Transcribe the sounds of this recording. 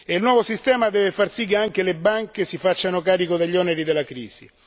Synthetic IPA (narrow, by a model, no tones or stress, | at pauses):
eilnwɔːvosist̪ɛːmad̪ɛːvefarsik̬ːeaŋk̟elebaŋkesifat͡ʃːanokaːɾikod̪aʎːɔneɾid̪elːakɾḭːz̥ḭ